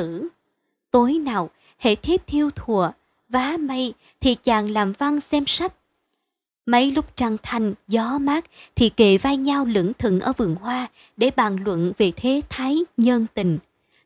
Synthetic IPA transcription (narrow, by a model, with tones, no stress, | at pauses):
ɨ˧˩ | t̪o˨˦jnaː˨˩w | hḛ˧˩t̪ʰi˦˥p̚t̪ʰi˧əwt̪ʰu˨˩ə | vaː˨˦mə˧j | t̪ʰi˨˩t͡ɕaː˨˩ŋlaː˨˩mva˧ŋsɛ˧msa˦˥k̚ | mə˨˦jlʊ˦˥k͡p̚t͡ɕa˧˩ŋt̪ʰa˨˩jŋ̟zɔ˨˦maː˦˥k̚t̪ʰi˨˩ke˧˩vaː˧jɲa˧wlɨ̰˧˩əŋt̪ʰɨ̰˧˨ŋʔə̰ː˧˩vɨ˨˩əŋhwaː˧ | ɗe˧˩ɓaː˨˩nlwə̰˧˨nve˨˩t̪ʰe˨˦t̪ʰaː˨˦jɲə˧nt̪ï˨˩ŋ̟